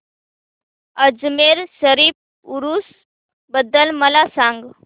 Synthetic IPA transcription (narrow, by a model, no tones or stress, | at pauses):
əd͡zmeɾsəɾiːf̚ | uɾuːs | bəd̪ːəlməlasaŋɡ